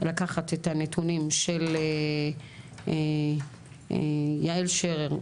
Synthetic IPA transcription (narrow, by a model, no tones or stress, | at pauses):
lakaχat̪etanetʰunimʃele | jaelʃeʁeʁ